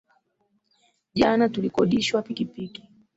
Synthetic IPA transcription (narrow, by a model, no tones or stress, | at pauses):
ʄanatulikɔɗiʃwapikipiki̥